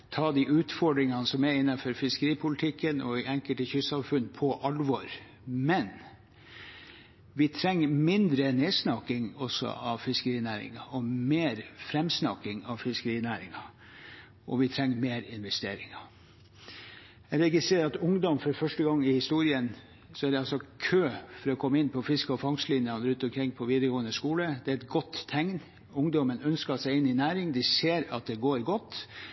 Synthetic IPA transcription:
t̪ʰɑːd̪ɪʔʉːt̪fɔɖɾɪŋɑnəsɔmæɪnːɑfɔɾfɪskəɾiːpʰʊlɪt̪ʰɪkːənɔ̰ɪɛŋkəlt̪əçʏsɑmfʉnːpʰɔʔɑlʋɔɾ | mɛn | ʋɪt̪ʰɾɛŋːəmɪnd̪ɾəneːsnɑkɪŋɔsɔ̰ʔɑʋfɪskəɾiːnæːɾɪ̰ŋɑɔmeːɾfɾɛmsnɑ̰kɪŋɑʋfɪskəɾiːnæːɾɪŋɑ | ʔɔʋɪt̪ʰɾɛŋːəmeːɾɪnʋɛst̪eːɾɪ̰ŋɑ | æɾɛɡɪst̪ɾeːɾɑt̪ʊŋd̪ɔmfɔɾfœʂʈəɡɑŋːɪhɪst̪uːɾɪən | sɔæɖɛɑlsɔkʰøːfɔɾɔkʰɔmːəɪnːpʰɔfɪskəɔfɑŋslɪnjɑnɾʉnt̪ɔmkʰɾɪŋːpʰɔʋiːd̪əɾəɡoːənəskuːləd̪ɛæɾɛt̪ɡɔt̪ʰːɛŋn | ʊŋd̪ɔmənœnskɑsæɪɪnːɪnæːɾɪŋd̪ɪseːɾɑt̪̚d̪ɛɡoːɾɡɔt̪ː

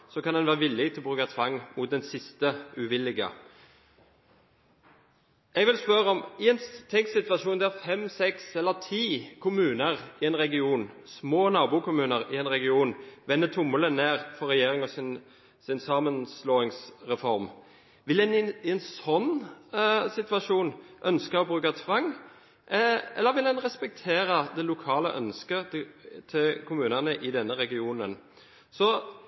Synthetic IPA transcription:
sɔkɑnd̪ɛnʋæːʁəʋɪlːɪɡt̪ʰɪlɔbʁʉːkət̪ʰʋɑŋːmʊt̪̚d̪ɛnsɪst̪əʉʋɪlːɪɡə̰ | ɛɡʋɪlspœɾəɔmɪɛnt̪ʰɛŋksɪt̪ʋɑʃuːnd̪ææʁfɛmsɛksɛlːəʁt̪ʰiːkʰʊmʉːnəʁɪɛnɾɛɡɪuːnsmoːnɑːbʊkʊmʉːnəɾɪɛnɾɛɡɪuːnʋɛnːət̪ʰʊmːələneːʁfɔɾɛjeːɾɪŋɔsɪn | sɪnsɑːmənsloːɪŋsʁɛfɔɾm | ʋɪldɛnɪɪɛnsɔnː | sɪt̪ʋɑʂuːnʔœnskəɔbʁʉːkət̪ʰʋɑŋː | ɛ̰lːəɾʋɪldɛnʁɛspɛk̚t̪ʰeːɾəd̪ɛlʊkʰɑːlə̰ʔœnskət̪ʰɪkʰʊmʉːnənəʔɪd̪ɛnːəɾɛɡɪuːnən | sɔ

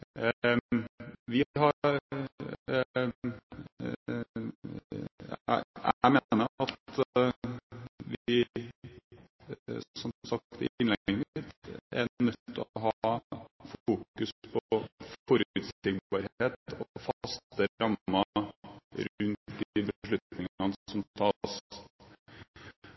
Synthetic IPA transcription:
ʋɪɦɑ | æ̰ɪmeːnəɾɑt̪ | ʋɪ | sɔmsɑk̚t̪ɪ̰ɪnlɛɡɪt̪ɛ̰nœt̪ʰːəɔɦɑ | fuːkʉspʰɔɔɾʉt̪sɪɡbɑɾheːt̪ʰɔfɑst̪əɾɑmːɑ | ɾʉnt̪d̪ɪbəʂɭʉt̪nɪŋɑnəsɔmt̪ʰɑːs

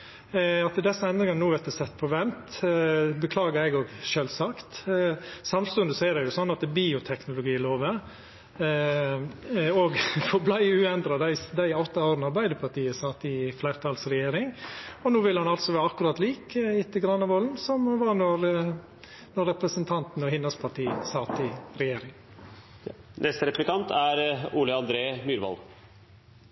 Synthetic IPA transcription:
ɑt̪əd̪ɛsːəɛnd̪ɾɪŋɑnənuːʋɛt̪əsɛt̪ːpʰɔʋɛnt̪ | bəkʰlɑːɡəɾɛɪɡɔːɡʃøːlsɑkt̪ | sɑmst̪ʉnd̪əsɔɛɾɛjʊsɔnːɑt̪̚d̪ɛbiːʊt̪ʰɛknʊlʊɡiːloːʋə | oːɡfɔɾblæɪʉːɛnd̪ɾɑd̪æɪd̪æɪɔt̪ːɑoːɾənəɑɾbæɪd̪əpʰɑʈiːəsɑt̪ːɪflæɪɾt̪ʰɑlsɾɛjeːɾɪŋɔnuːʋɪlhɑnɑlsɔʋæːɾɑkːʉɾɑːt̪liːkɪt̪ːəɡɾɑnːɑʋoːln̩sɔmɔʋɑːnɔɾ | nɔɾɛpɾəsənt̪ʰɑnt̪n̩ɔhɪnːɑlspʰɑʈiːəsɑt̪ɪɾɛjeːɾɪŋ | nʔɛst̪əɾɛplɪkʰɑnt̪ʰæɾuːləɑnd̪ɾeːmyːɾʋɑ̰l

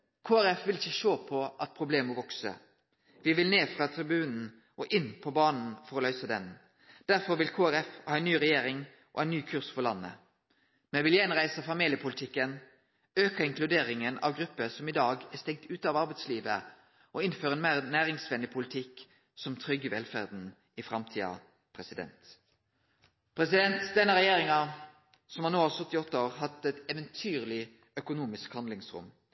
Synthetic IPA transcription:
kʰoːæɾɛfʋɪlɪçːəʃoːpʰɔʔɑt̪̚pʰʁʊbleːməʋɔksə̰ | ʋɪʋɪlneːfʁɑt̪ʰɾɪbʉːnn̩ | ʔɔʔɪnːpʰɔbɑːnn̩fɔʁɔlœʏsəd̪ɛn | d̪̥æʁfɔɾʋɪlkʰoːæɾɛfhɑːɛɪnyːʁɛjeːɾɪŋ | ʔɔ̰æɪnːyːkʰʉʁsfɔʁlɑ̰nːə̰ | mɛʋɪljɛnʁæɪsəfɑmiːljəpʰʊlɪt̪ʰɪkːən | øːkəɪŋklʉd̪eːʁɪŋənɑ̰ʋɡɾʉpːəsɔmɪd̪ɑːɡæʁst̪ɛŋ̚t̪ʉːt̪ɑːʋɑʁbɛɪt̪sliːʋə̰ | ʔɔɪnføːɾəɛeːnmæːʁnæːʁɪŋsʋɛnɪpʰʊlɪt̪ʰɪkː | sɔmt̪ʰʁʏɡːəʋɛlfæʁd̪n̩ | ɪfɾɑmt̪ʰiːɑ̰ | pʰʁɛsɪd̪ɛ̰nt̪ | pʰʁɛsɪd̪ɛnt̪d̪ɛnːəɾɛjeːʁɪŋɑ | sɔmhɑnoːɑsœt̪ːɪɔt̪ːəoːʁhɑt̪ɛt̪ɛʋɛnt̪ʰyːʁlɪ | œkʊnuːmɪskhɑnd̪lɪŋsʁʊ̰m

